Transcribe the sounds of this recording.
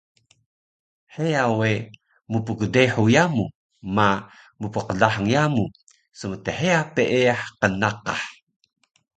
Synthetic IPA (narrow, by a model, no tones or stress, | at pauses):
ħeawe | mupuɡədeħujamu | ma | mupəqəɮaħəŋjamu | səmət̪eħeapeʔeaħqənaqa̰ħ